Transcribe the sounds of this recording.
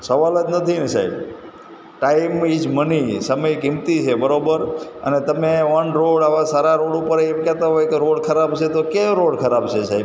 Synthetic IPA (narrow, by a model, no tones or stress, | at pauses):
səʋaləd͡ʒ̪nət̪ʰinesaḭb | ʈaimid͡ʒmənisəməjkɪmt̪it͡ʃʰebəɾobəɾə̰net̪əmeʋənɾoɽaʋasaɾaɾoɽupəɾemkɛt̪aɦojkeɾoɽkʰəɾabt͡ʃʰet̪okeɾoɽkʰəɾabt͡ʃʰesaib